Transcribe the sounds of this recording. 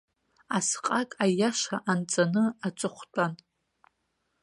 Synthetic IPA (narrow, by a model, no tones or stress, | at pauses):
asqʼakʼajaʂaʔant͡sʼanɨat͡ʃʼɨχʷtʰʼan